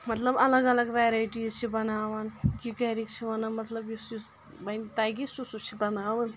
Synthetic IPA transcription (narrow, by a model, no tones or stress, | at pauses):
mɐt̪ləbɐlɐɡɐlɐɡʋeːɾaːiʈiːzt͡ʃʰibɐnaːʋɐnkikeɾikt͡ʃʰiʋɐnɐnmɐt̪lɐbisi | bɐnt̪aːjɡisusut͡ʃʰibɐnaːʋən